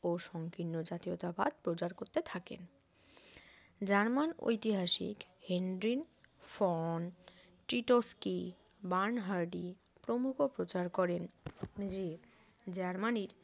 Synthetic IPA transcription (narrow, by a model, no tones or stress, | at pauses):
oʃɔŋkinːod͡ʑat̪iot̪aba̰d̪̚pɾot͡ɕaɾkoɾt̪et̪ʰakḛn | d͡ʑaɾmano̰jt̪iɦaʃḭkhendɾinfɔn | ʈɾiʈoski | baɾnɦaɾɖi | pɾomukʰopɾot͡ɕaɾkɔɾend͡ʑe | d͡ʑaɾmaniɾ